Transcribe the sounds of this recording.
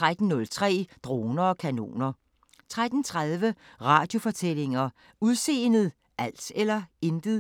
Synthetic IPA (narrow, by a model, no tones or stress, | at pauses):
t͡sʁad̥n̩ːɔ̽lt͡sʰʁɛ̰ːd̥ʁo̝ːnɐɒ̽kʰæno̝̰ːnɐ | t͡sʰʁad̥n̩t͡sʰʁað̞ˠʋəʁɑ̈ːd̥jo̝fɒ̽t͡sʰel̰e̝ŋɐ | uðˠse̝̰ːnð̩ˠ | ʔæl̰selɐend̥ð̩ˠ